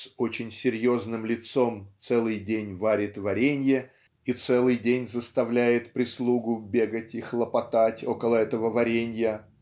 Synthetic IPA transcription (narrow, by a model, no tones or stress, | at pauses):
so̞t͡ɕɪnʲsʲɪɾʲjo̞znɨmlʲɪt̪so̞mtt̪sɛlˠɨjdʲenʲvaɾʲɪt̪vɐɾʲenʲjə | it̪sɛlˠɨjdʲenʲzəst̪ɐvlʲæjɪt̪pɾʲɪslˠuɡʊbʲe̞ɡətʲɪxlˠəpɐt̪atʲo̞kəlˠəɛt̪əvəvɐɾʲenʲjə